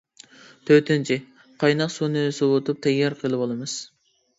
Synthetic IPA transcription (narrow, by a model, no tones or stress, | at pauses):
t̪ʰøt̪ʰɪnt͡ʃʰi | qʰɑjnɑqsunɨsuwot̪up̚t̪ʰɛjɑɾqʰəlˠɨbolˠɨmɨz̥